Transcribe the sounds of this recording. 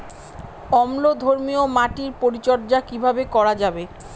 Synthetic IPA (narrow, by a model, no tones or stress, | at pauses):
ɔmlod̪ʱoɾmiomaʈiɾpoɾit͡ɕɔɾd͡ʑakibʱabekɔɾad͡ʑabe